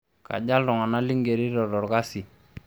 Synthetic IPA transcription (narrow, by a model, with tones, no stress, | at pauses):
ka̰˨ɟa˦ldɔ˨ŋa˨na˦li˦ŋɡe˨ɾi˦ɾɔ˨dɔ˨ɾka˦si˨